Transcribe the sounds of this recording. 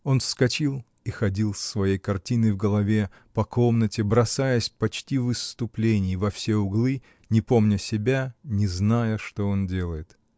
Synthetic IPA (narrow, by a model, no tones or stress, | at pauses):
o̞nfskɐt͡ɕilˠ | ixɐdʲilˠsːvɐjejkɐrtʲinɨvɡəlˠɐvʲe̞ | pɐko̞mnətʲɪbɾɐsajəsʲpɐt͡ɕtʲivɨst̪ʊplʲenʲɪjvɐfsʲeʊɡlˠɨ | nʲɪpo̞mnʲʊsʲɪbʲanʲɪznajəʂt̪o̞o̞ndʲe̞lˠəjɪt̪